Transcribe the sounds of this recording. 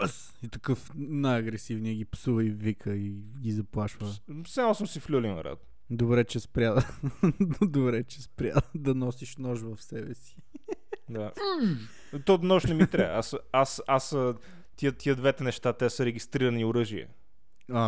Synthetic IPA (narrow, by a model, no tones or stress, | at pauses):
əs | it̪ɐkɤfnajɐɡɾɛsivniɛɡʲipsuvəivikʰəi | ɡʲizɐplˠaʃvəsalˠsəmsiflʲulinɐ̰ɾa̰t̪ | d̪obɾɛt͡ʃɛspɾʲja | d̪obɾɛt͡ʃɛspɾʲja̰d̪ɐnɔsiʃnɔʒvɐfsɛbɛsi̥ | d̪a | t̪ɔnɔʃnɛmit̪ɾʲaasasasə | t̪iət̪iəd̪vɛt̪ɛnɛʃt̪at̪ɛsəɾɛɡʲist̪ɾiɾəniʊɾɤʒiɛ̰ | a